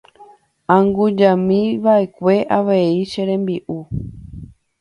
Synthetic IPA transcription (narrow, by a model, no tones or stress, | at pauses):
ãŋɡud͡ʒãmĩʋaʔe̞kʷe̞ʔaʋe̞iʃeɾẽ̞mbiʔu